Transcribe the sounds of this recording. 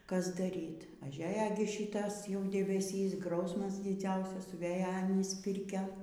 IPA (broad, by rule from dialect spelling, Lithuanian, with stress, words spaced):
ˈkɐs dɐˈrʲiːtʲ ɐˈʒʲæːjɛ ɡʲɪ ˈʃʲiːtɐs jɛʊ dʲɛbʲɛˈsʲiːs ˈɡrɐʊsmɐs dʲɪˈd͡zʲɛʊsɐs sʊˈʋʲeːjɛ ɐˈnʲiːs ˈpʲɪrʲkʲɛ